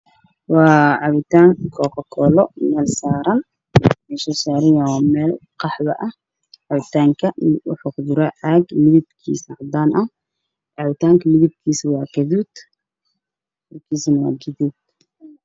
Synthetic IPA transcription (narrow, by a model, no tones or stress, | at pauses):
wɑːʕɑβɪt̪ʰaːŋkʰɔːkɐkʰɔːlɔmɛːlsaːɾɐn | mɛsɔːsaːɾɪjawɔmɛːlqɑħβɐ̰ʔɐh | ʕɑβɪt̪ʰaːŋkʰɐʊ̰ħʊqdʊɾɐʕaɡmɪðɪbkʰḭːsɐʕd̪aːnʔɐ | ʕɑβɪt̪ʰaːŋkʰɐmɪðɪb̚kʰiːsɐwɑːɡɐðuːd̪̥ | mɐrkʰiːsɐnɐwɑ̰ːɡɐðuːd̪